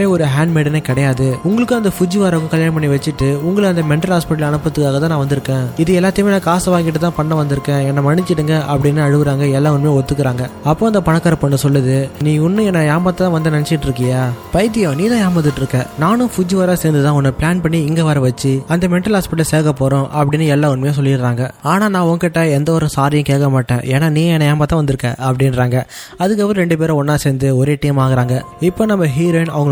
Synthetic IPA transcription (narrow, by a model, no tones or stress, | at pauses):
eːɔɾɯɦaːɳɖmeːɽɐnɐkɪɽɐjaːðɯʊŋɡɐɭɯkːɯ̃ɐnd̪ɐfʊd͡ʒiʋaːɾɐɣʊ̃kɐljaːnɐpɐɳːiʋɐt͡ʃːɪʈːɯʊŋɡɐɭɐnd̪ɐmɛɳʈːɐlɦaːspɪʈːɐlɐɳɯpːɐt̪ːɯkːaːɣɐt̪ãnaːʋɐnd̪ɪɾɯkːẽːɪðɯɛlːaːt̪ːɪjmeːnɐkaːsɐʋaːŋɡɪʈːɯt̪ãːpɐɳːɐ̃ʋɐnd̪ɪɾɯkːẽːɛnːɐmɐɳːɪt͡ʃːɪʈːɯŋɡɐʔɐpːɐɽɪnːɯɐɻɯʋɯɾaːŋɡɐɛlːaːʋʊnmeːɔt̪ːɯkːɯɾaːŋɡɐɐpːõːɐnd̪ɐpɐɳɐkːaːɾɐpɐɳːɯsɔlːɐðɯnĩːʊnːɯ̃ɛnːɐjaːmaːt̪ːɐt̪ãːʋɐnd̪ɯnɐnɛt͡ʃːɪkɪʈːɪɾɯk̬ːɐjaːpɐjt̪̬ːɪjõːniːt̪ãːjaːmat̪̬ːɪʈːɪɾɯkːɐ̃ːnaːnʊ̃fʊd͡ʒiʋɐɾaːseːnd̪ɯt̪ãːɔnːɯpɪɭaːnpɐɳːiɪŋɡeːʋɐːɾɐʋɐt͡ʃːɯɐnd̪ɐmɛɳʈːɐlhaːspɪʈːɐlseːɾɣɐpːoːɾʊ̃ʔɐpːɐɽɪnːɯɛlːaːʊnmɐjõs̬ɔlːɪɾɾaːŋɡɐaːnaːnãːɔŋɡɐkɪʈːɐɛnd̪ɐɔɾɯ̃saːɾɪjɐ̃keːkːɐmaːʈːḛ̃ːʔeːnaːnĩːɛnːɐjaːmbaːt̪ːãːʋɐnd̪ɯɾɯkːɛ̰̃ːʔɐpːɐɽɪnɾaːŋɡɐ | ɐðɯkːɐʋɐɾ̃ɾɛɳɖɯpeːɾɐ̃ɔnːaːseːnd̪ɯɔɾeːʈɐjmaːɣɪɾaːŋɡɐɪpːoːnɐmːɐɦiːɾoːɪnɐʋɐŋɡ